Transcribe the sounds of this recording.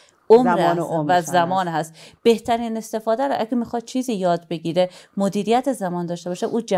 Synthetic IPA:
omvææmɒːnhæst̪b̥e̞ht̪ʰæɾiːnest̪e̞fɒːd̪æɾoʔæɡemixɒd̪̥̚t͡ʃʰiːziːjɒːd̪be̞ɡiːɾemod̪iːɾijæt̪ʰezæmɒːnd̪ɒːʃt̪e̞bɒːʃeʔuːd͡ʒæ

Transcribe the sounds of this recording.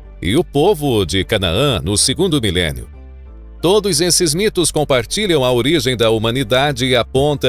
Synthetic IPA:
ɪ̰ʊpovʊd͡ʒɪkɐna̰ɐ̃nʊseɡũnd̪ʊmilḛ̃njʊ̰ | t̪od̪ʊzesɪzmit̪ʊskõmpaɾt͡ʃiʎɐ̃w̃ɐoɾiʒẽj̃d̪ɐumɐ̃nid̪ad͡ʒɪːapõnt̪ɐ

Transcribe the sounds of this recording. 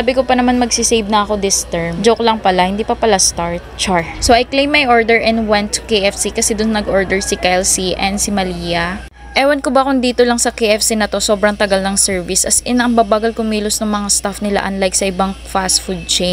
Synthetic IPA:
abɪkopɐnɐmanmɐɡsisejbnɐɐko̞d̪ɪst̪ɛɹmd͡ʒoklɐŋpɐlahɪnd̪iːpɐpɐlast̪aɹt̪̚t͡ʃaɹsoʔɐjklejmːɐjʔoɹd̪ɛɹʔɛnwɛnt̪ːʊ̥kejʔɛfsikɐsɛd̪ʊnnɐɡʔoɹd̪ɛɹsɪkajlsiʔɛnsɪmɐliːjɐ | ʔɛːwɐnkobɐkʊnd̪iːt̪olɐŋsɐkejʔɛfsinɐt̪o̞so̞bɾɐŋt̪ɐɡalnɐŋsɛɹvɪsʔɐsɪnɐŋbabaːɡɐlkʊŋmiːlʊsnɐŋmɐŋast̪afnɪla̰ʔɐnlajk̚sɐʔɪbaŋfast̪fud̪̚t͡ʃe

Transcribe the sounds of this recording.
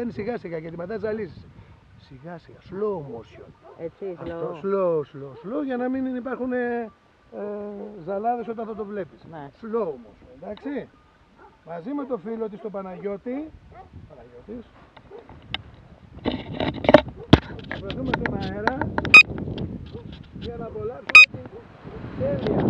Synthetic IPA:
ðɐnisiɣɐsiɣɐʝɐt̪imɐðɐzɐlisis | siɣɐsiɣɐslomoso̰nɐosloslosloʝɐnɐminipɐɾxune | zɐlɐðe̞so̞t̪ɐnθɐot̪ovle̞pisslomosjonnd̪ɐksi | mɐzime̞t̪o̞filo̞t̪ist̪o̞pɐnɐʝo̞t̪ipɐnɐʝo̞t̪is | ɐpɾɐzumet̪omɐeɾɐ | ʝɐnɐpolɐpsumet̪i | d̪eliɐ

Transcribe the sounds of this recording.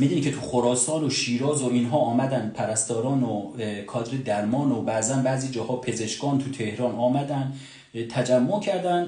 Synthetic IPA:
mid̪unicʰet̪ʰuxoɾɒːsɒːnoʃiːɾɒːzoinɦɒːɒːmæd̪ænd̪pʰæɾæst̪ɒːɾɒːnokʰɒːd̪ɾed̪æɾmɒːnobæzænbæːʔziːd͡ʒɒːhɒːpʰe̞zeʃkɒːnt̪ʰut̪ʰe̞hɾɒːnɒːmæd̪ænd̪ | t̪ʰæd͡ʒæmːocʰæɾd̪æn

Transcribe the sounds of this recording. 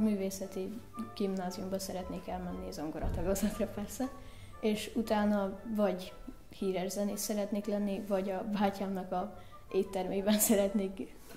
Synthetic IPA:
myːveːsɛt̪i | ɡ̥imnaːzijumbɒsɛɾɛt̪neːkɛlmɛnːiɛzoŋɡoɾɒt̪ɒɡɒzɒt̪rɒpɛrsɛ | eːʃut̪aːnɒvɒɟ | hiːɾɛʒzɛneːsɛɾɛt̪neːklɛnːivɒɟɒvaːcaːmnɒkɒ | eːt̪ːɛrmeːbɛnsɛɾɛt̪neːk

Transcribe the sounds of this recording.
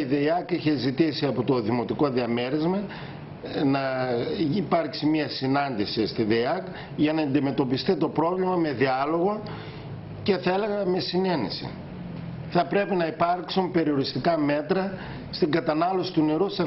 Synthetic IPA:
iðeiɐkiçe̞zit̪isiɐpot̪oðimo̞t̪iko̞ðiɐme̞ɾizmɐ | nɐ | ipɐɾksimɐsinɐnd̪isist̪iðeiɐk | ʝɐnɐɐnd̪ime̞t̪o̞pist̪it̪o̞pɾo̞vlimɐme̞ðiɐlo̞ɣo̞ | ce̞θɐe̞le̞ɣɐme̞sine̞nesḭ | θɐpɾe̞pinɐipɐɾksumpe̞ɾio̞ɾist̪ikɐme̞t̪ɾɐ | st̪iŋɡɐt̪ɐnɐlo̞si̥t̪une̞ɾusɐ

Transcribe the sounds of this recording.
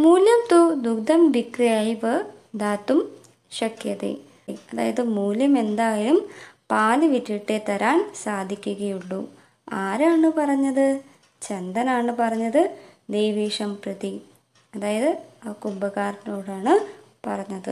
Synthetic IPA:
muːljɐmt̪ud̪uɡd̪ʱɐmbikɾɐjaːjiʋɨ | d̪aːt̪ːum | ɕɐkʰjɐðḛ | ɐða̰ːjɐðɨmuːljɐme̞nd̪aːjilumpaːlɨʋitːiʈːet̪ɐɾaːnsaːd̪ʱikʲːuɣɐjuɭːu | aːɾaːɳɨpɐrɐɲːɐðɨ | t͡ɕend̪ɐnaːɳɨpɐrɐɲːɐðɨd̪ejʋiːʂɐmprɐði | ɐðaːjɐðɨɐkubɐɣaːɾɐno̞ːɽaːɳɨ | pɐrɐɲːɐðɨ

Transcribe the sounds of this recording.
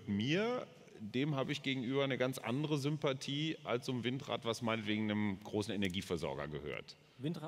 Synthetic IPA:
miːɐ | deːmhaːbəɪçɡ̥eːɡŋ̩ʔyːbɐnəɡant͡sʔa̰ndəʁəzʏmpatʰiːʔalst͡sʊmvɪntʁ̥a̰ːtv̥asmaɪnətv̥eːɡŋ̩nəmɡ̥ʁoːsn̩enɛɐɡiːfɛɐzɔ̰ɐɡɐ̰ɡəhø̰ːɐt | ɪtː

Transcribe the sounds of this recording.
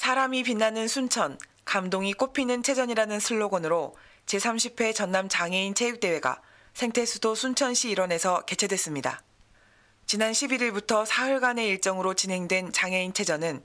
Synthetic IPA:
sʰaɾamipinːanɯnsʰunt͡ɕʰʌn | kamdoŋik͈opʰinɯnt͡ɕʰe̞d͡ʑʌɲiɾanɯnsʰɯɭːoɡʌnɯɾo | t͡ɕe̞sʰamɕʰipʰe̞t͡ɕʌnːamt͡ɕaŋe̞int͡ɕʰe̞juk̚t͈e̞we̞ɡa̰ | sʰe̞ŋtʰe̞sʰudosʰunt͡ɕʰʌnɕʰiːɾwʌne̞sʰʌke̞t͡ɕʰe̞dwe̞s͈ɯmɲida̰ | t͡ɕinanɕʰibiɾiɭbutʰʌsʰaɯɭɡane̞iɭt͡ɕ͈ʌŋɯɾot͡ɕine̞ŋdwe̞nt͡ɕaŋe̞int͡ɕʰe̞d͡ʑʌnɯn

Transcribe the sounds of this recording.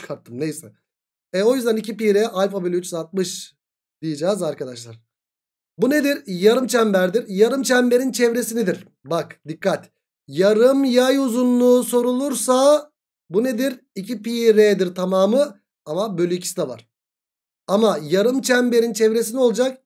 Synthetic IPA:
t͡ʃkʰaɾt̪ʰːɯmnejsɛ | ɛo̞jyzd̪ænicʰipiɾɛʔalʲfabølʲyyt͡ʃsat̪̚mɯʃ | d̪̥ijed͡ʒaːzaɾkad̪aʃlˠaɾ̥ | bune̞d̪iɾjaɾɯmt͡ʃʰæmbæɾd̪iɾjaɾɯmt͡ʃʰɛmbe̞ɾint͡ʃʰɛvɾe̞sinid̪iɾ | bakd̪ikʰːat̪ | jaɾɯmjajuzunlˠuːso̞ɾulˠuɾsa | buned̪iɾ | icipiɾed̪iɾt̪ʰamaːmɯ | amabølʲyicʰi̥st̪ɛva̰ɾ̥ | amajaɾɯmt͡ʃʰæmbe̞ɾint͡ʃʰɛvɾe̞sinio̞lˠd͡ʒak̚

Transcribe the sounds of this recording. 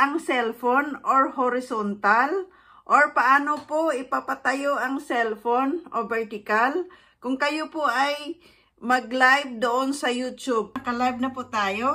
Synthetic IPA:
ʔɐŋsɛlfonʔoɹhoɾɪsont̪al | ʔoɹpɐʔaːnopoʔɪpapɐt̪ɐjo̞ʔɐŋsɛlfonʔobɛɹt̪ɪkal | kʊŋkɐjopoʔɐj | mɐɡ̚lajb̚d̪oʔonsɐjut̪ub̚kɐlajb̚nɐpʊt̪aːjo

